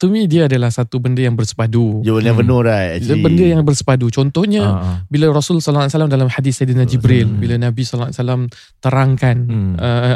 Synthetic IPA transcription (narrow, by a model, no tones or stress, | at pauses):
t̪umĩdiaːdalahsat̪ubəndəjaŋbərsə̥padud͡ʒaɲavənuɾajbəndəjaŋbərsə̥padut͡ʃɔnt̪ɔhɲabilaɾɔsulsɔlasalamdalamhadisadinad͡ʒibɾilbilanãbisɔlaa̰salam | t̪əɾaŋkanʔə